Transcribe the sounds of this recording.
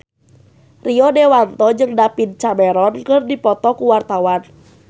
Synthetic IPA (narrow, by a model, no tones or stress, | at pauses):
riɔdɛwant̪ɔd͡ʒɨŋdapint͡ʃamɛɾɔnkɨrdipɔt̪ɔkuwart̪awan